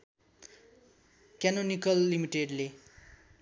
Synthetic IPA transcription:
kanonikʌlːimiʈeɖle

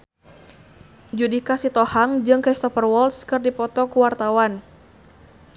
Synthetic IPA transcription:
d͡ʒudikasit̪ɔhaŋd͡ʒɨŋkɾist̪ɔfərwɔlskɨrdipɔt̪ɔkuwart̪awan

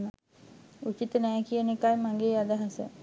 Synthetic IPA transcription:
nə | ut͡ʃit̪ənɛjkijənekajmaŋɡeːad̪aɦasə̰

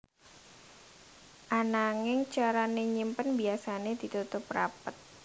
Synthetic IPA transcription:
ʔanaŋɪŋt͡ʃaɾaneɲimpənbiasaned̪it̪ut̪ʊpːɾapət̪̚

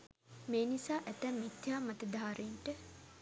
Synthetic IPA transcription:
meːnisaːʔæt̪æmːit̪jaːmat̪əd̪aːɾeɳʈə

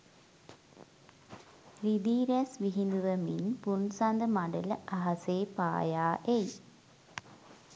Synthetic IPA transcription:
rid̪iːɾesʋiɦind̪uʋəminpunsand̪əmaɖələʔaɦɐseːpa̰ːjaːʔej

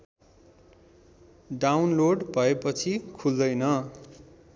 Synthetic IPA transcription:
ɖawnloɖbʱʌepʌt͡sʰikʰuld̪ʌjnʌ

